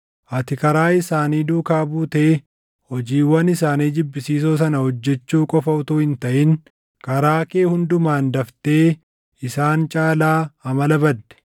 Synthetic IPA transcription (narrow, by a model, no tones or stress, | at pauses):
ʔɐt̪ɪkɐɾaːɪsaːniːd̪uːkaːbuːt̪ɛ | hɔd͡ʒiːwɐnɪsaːniːd͡ʒɪbːɪsiːs̬oːs̬ɐnɐhɔd͡ʒːɛt͡ʃːuːkʼɔfɐʊt̪uːhɪnt̪ɐʔɪŋ | kɐɾaːkeːhʊnd̪ʊmaːnd̪ɐft̪e̞ː | ɪsaːnt͡ʃʼaːlaːɐmɐlɐbɐd̪ːɛ̥